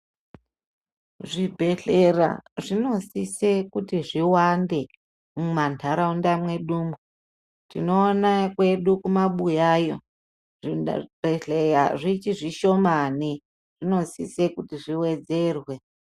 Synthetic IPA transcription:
ʐibʱe̞ɬe̞ra̰ʐino̞sise̞kutiʐiwande̞ | mumantʰaɾaundamwe̞ɗuːmu | tino̞ːnakwe̞ɗukumaɓujaːjo̞ | ʐb̥ʱeɬeja̰ʐit͡ʃiʐiʃo̞mani | ʐ̥ino̞sisekutiʐiwe̞d͡ze̞rwe̞

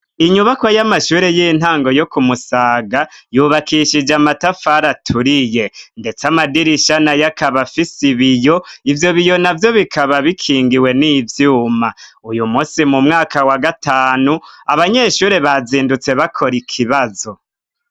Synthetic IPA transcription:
iɲuβakwojamaʃuːɾe̞jin̥haːŋɡo̞jo̞kumusaːɡajuβakʰiʃid͡ʒamatafaɾatʰuɾije̞nde̞t͡samadiɾiʃanajakaβafisiβijo̞ivjo̞βijonavjo̞βikʰaβaβikʰiːŋɡiwe̞niːvjuːmaujumusimumŋaːkʰawaɡataːnuaβaɲe̞ːʃuːɾe̞βaziːndut͡se̞βakʰo̞ɾikʰiβazo̞

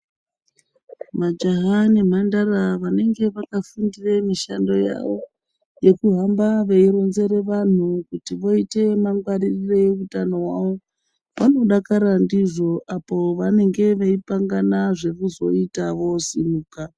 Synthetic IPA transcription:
mad͡ʒaɦanim̤andaraʋane̞ŋɡe̞ʋakafundiremiʃando̞ja̰ʋo̞ | je̞kuɦambaʋeiɾo̞nze̞ɾe̞ʋan̤ukutiʋo̞ite̞maŋɡwaɾirireeutano̞ɦwaʋo̞ | ʋano̞ɗakaɾandiʐo̞ʔapo̞ʋane̞ŋɡe̞ʋeipaŋɡanaʐe̞kuzo̞itaʋo̞simuːka

